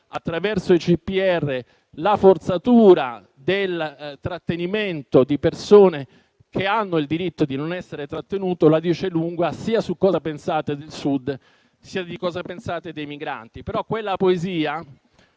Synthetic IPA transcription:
at̪ːɾavɛrsoit͡ʃipːiɛrːe | lafort̪sat̪uːɾa̰ | d̪elt̪ɾat̪ːeniment̪od̪ipersoːne | keanːoild̪iɾit̪ːod̪inonɛsːeɾet̪ɾat̪ːenuːt̪olad̪iːt͡ʃeluŋɡasiːasukːɔːzapensaːt̪ed̪elsud̪ | siːad̪ikɔːzapensaːt̪ed̪ejmiɡɾa̰nt̪ipeɾɔkːwelːapoeziːa

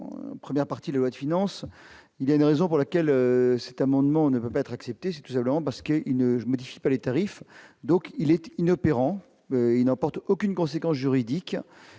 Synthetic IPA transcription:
pχəmjɛʁpaʁt̪id̪lalwad̪əfinɑ̃s | iljaynʁezɔ̃puʁlakʲɛløsɛt̪amɑ̃d̪mɑ̃nəpøpaɛt̪χaksɛp̚t̪esɛ̥t̪u̥sɛ̃pləmɑ̃paʁsə̥kəʔilnəmɔd̪ifi̥palet̪aʁifd̪ɔ̃kilɛt̪inɔpeʁɑ̃ | ilnɑ̃pɔʁt̪okʲynkɔ̃sekɑ̃s̬ʒyʁid̪ik

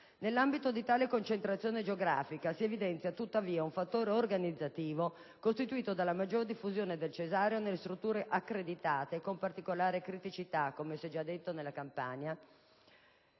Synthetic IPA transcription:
nelːambit̪od̪it̪aːlekont͡ʃent̪ɾat̪sːjoːned͡ʒeoɡɾa̰ːfikasievid̪ɛnt̪sjat̪ut̪ːaviːauɱfat̪ːoːɾeorɡanid̪zːat̪iːvo | kost̪it̪uiːt̪od̪alːamad͡ʒːord̪ifːuzjoːned̪elt͡ʃezaːɾjonelːest̪ɾut̪ːuːɾeʔakːɾed̪it̪aːt̪ekompart̪ikolaːɾekɾit̪it͡ʃit̪akːomesɛd͡ʒad̪ːet̪ːonelːakampa̰ɲa

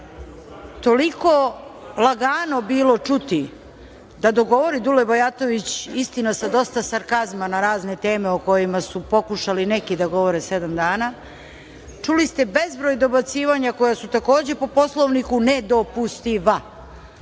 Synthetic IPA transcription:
t̪o̞liko̞lˠaɡaːno̞biːlo̞t͡ʂut̪i | d̪ad̪o̞ɡo̞ʋo̞ɾid̪ulebojat̪o̞ʋit͡ɕist̪inasad̪o̞st̪asaɾkazmanaɾaːzne̞t̪e̞ːmeoko̞jimasupo̞kuʃalinekid̪aɡo̞ʋo̞ɾesed̪amd̪aːna | t͡ʂulist̪e̞be̞zbɾoːjd̪o̞bat̪siːʋaɲako̞jasut̪ako̞ːd͡ʑe̞po̞po̞slˠoʋnikuned̪o̞pust̪iʋa

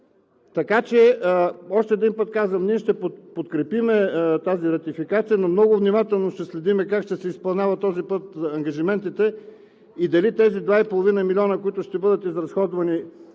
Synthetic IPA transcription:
t̪ɐkat͡ʃɛ | ɔʃt̪ɛːd̪inpɤt̪kazvəmniɛʃt̪ɛpopot̪kɾɛpimɛt̪aziɾɐt̪ifikat̪sijənomnɔɡʊvnimat̪ɛlˠnoʃt̪ɛslɛd̪imɛkakʃt̪ɛsɛispɐlˠnʲavɐt̪t̪ːɔzipɤt̪ɐŋɡɐʒimɛnt̪it̪ɛ | id̪ɐlit̪ɛzid̪vaipolˠovinəmilʲɔnəkoit̪ʊʃt̪ɛbɤd̪ət̪izɾɐsxɔd̪vɐni

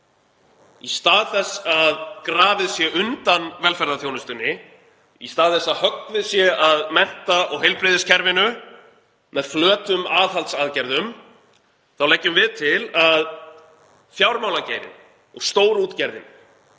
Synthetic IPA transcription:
ist̪aːðθɛsːaðkɾaːvɪðsjɛʏnt̪anvɛlfɛɾðaθjownʏst̪ʏnːɪ | ist̪aːðθɛsːaðhœk̚t̪vɪðsjɛʔaðmɛn̥t̪aʔɔɣɦejlpɾɪðɪscʰɛɾvɪnʏ | mɛðflœːt̪ʏmaːðɦalt̪saðcɛɾðʏm | θawlɛjcːʏmvɪðt̪ʰɪlað | fjawɾmawlaceːjɾɪ̰n | ɔɣst̪oːwɾuːt̪cɛɾðɪ̰n

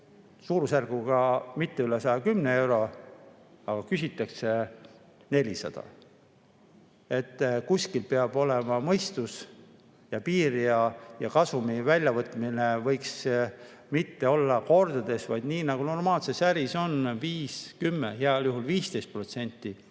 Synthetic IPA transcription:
suːɾusærɡ̥uɡ̥ɑmit̪ːe̞ylesɑjɑkymnee̞wɾo̞ | ɑɡ̥ɑkysit̪ːˑɑkse̞ | ne̞lʲisɑ̰d̪̥ɑ̰ | e̞t̪ːkuskilpeɑb̥o̞lemɑmɤjst̪us | jɑpiːɾiɑjɑkɑsumivælʲjɑvɤt̪ːˑmine̞vɤ̞jks | mit̪ːe̞o̞lːɑko̞rd̪̥ɑd̪̥e̞svɑjd̪niːnɑɡ̥uno̞rmɑːlsesæɾiso̞nviːskymːeɦeɑljuɦulviːst̪e̞jst̪̚pro̞t̪se̞nʲt̪ːˑi

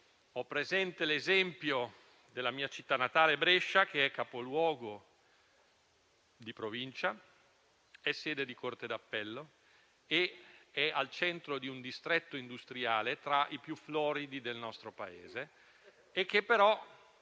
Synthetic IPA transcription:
ɔpːɾezɛnt̪elezɛmpjo | d̪elːamiːat͡ʃit̪ːanːat̪aːlebɾeʃːak̟eɛkːapolwɔːɡo | d̪ipɾovint͡ʃa | ɛsːeːd̪ed̪ikort̪ed̪apːɛlːo | eɛalt͡ʃɛnt̪ɾod̪iund̪ist̪ɾɛt̪ːoind̪ust̪ɾiaːlet̪ɾaʔipjuflɔːɾid̪id̪elnɔst̪ɾopaḛːzeː | k̟ːepːeɾɔ

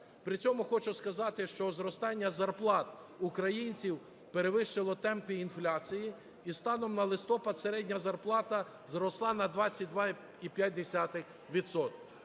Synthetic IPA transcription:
pɾɪt͡sʲɔmʊxɔt͡ʃʊskɐzɑt̪ɪʃt͡ʃɔzɾɔst̪ɑnʲːɐzɐrplˠɑt̪ | ʊkɾɐjinʲt͡sʲiw | peɾeʋɪʃt͡ʃɪlˠɔt̪ɛmpʲiːnflʲat͡sʲiji | ist̪ɑnɔmnɐlˠɪst̪ɔpɐd̪seɾɛdʲnʲɐzɐrplˠɑt̪ɐ | zɾɔslˠɑnɐd̪ʋɑt͡sʲːɐt̚ʲd̪ʋɑ | ipʲjat̚ʲd̪esʲat̪ɪx | ʋʲid̪sɔt̪kʲw

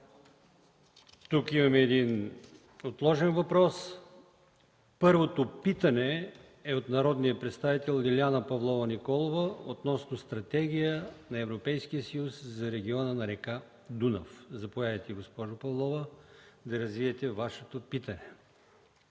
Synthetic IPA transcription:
t̪ukimɐmɛːd̪in | ot̪lˠɔʒɛnvɐpɾɔs | pɤɾvot̪opit̪ɐnɛ | ɛot̪nɐɾɔd̪nijəpɾɛt̪st̪avit̪ɛlˠd̪ilʲanɐpɐvlˠɔvɐnikɔlˠovəot̪nɔsnost̪ɾɐt̪ɛɡ̟ijənɐɛvɾopɛjsk̟ijəsɐjuszɐɾɛɡ̟ʲiɔnənɐɾɛka | d̪unɐ̰fzɐpovjadɐt̪ɛiɡospɔʒʊpɐvlˠɔvəd̪ɐɾɐzviɛt̪ɛvaʃɛt̪opit̪ɐnɛ

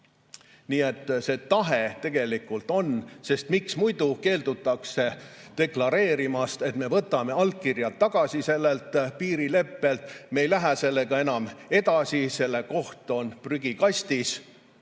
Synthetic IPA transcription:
niːe̞t̪ːse̞t̪ɑɦe̞t̪e̞ɡ̥e̞likːˑult̪ˑo̞nse̞st̪miksmujd̪̥uke̞ːld̪̥ut̪ːˑɑkse̞t̪e̞klɑɾe̞ːɾimɑst̪e̞t̪me̞vɤt̪ːˑɑme̞ɑlkirjɑt̪ːɑɡ̥ɑsise̞lːe̞lt̪ˑpiːɾile̞pːe̞lt̪mejlæɦæse̞lːe̞ɡ̥ɑe̞nɑme̞d̪̥ɑsise̞lːe̞ko̞ht̪o̞npryɡ̥ikɑst̪is

